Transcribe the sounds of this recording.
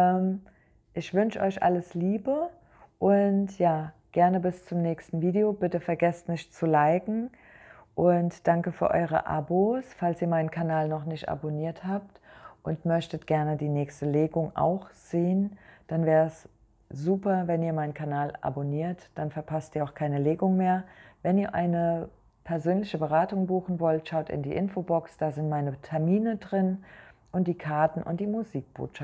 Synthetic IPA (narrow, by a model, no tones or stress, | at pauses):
ʔɛːm | ʔɪçv̥ʏnʃəɔ̰ʏçʔa̰ləsliːbə | ʔʊntjaːɡ̥ɛɐnəbɪst͡sʊmnɛːçstn̩viːdeoːbɪtəfɛɐɡɛstmɪçt͡sulaɪɡŋ̩ | ʔʊntd̥aŋkəfyːɐʔɔʏʁ̞ə̰ʔa̰bosfalsiːɐmaɪnənkʰanaːlnɔχnɪçtʔa̰boniːɐthaːp̚tʔʊntmœçtətɡ̥ɛɐnədiːnɛːçstəleːɡʊŋʔa̰ʊxz̥eːənd̥anvɛːʁəɛs | z̥uːpɐvɛniːɐmaɪnən̩kʰanaːlʔa̰boniːɐtd̥anfɛɐpʰastʔiːɐaʊxkʰaɪnəleːɡʊŋmeːɐvɛniːɐʔaɪnə | pʰɛɐzøːnlɪçəbəʁ̞aːtʊŋbuːxn̩vɔltʃaʊtɪ̰ndiːʔɪnfobɔksd̥aːzɪntmaɪnətʰɛɐmiːnədʁɪnʔʊnt̚d̥iːkʰaɐtn̩ʔʊ̰ntd̥iːmuziːk̚b̥o̰ːtʃaft